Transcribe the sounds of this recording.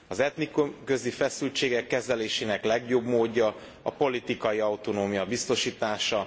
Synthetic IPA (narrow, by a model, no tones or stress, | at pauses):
ɒzɛt̪nikumkø̞zifɛsylt͡ʃeːɡɛkːɛzɛleːʃeːnɛklɛɡjobmoːɟːɒ | ɒpo̞lit̪ikɒjiɒwt̪o̞noːmijɒbist̪o̞ʃiːt̪aːʃɒ